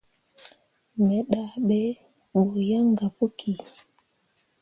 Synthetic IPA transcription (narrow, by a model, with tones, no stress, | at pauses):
mɛ˨˦ɗa˨ɓɛ˦ | ɓo˨ja˦ŋɡa˨pu˦kʰi˨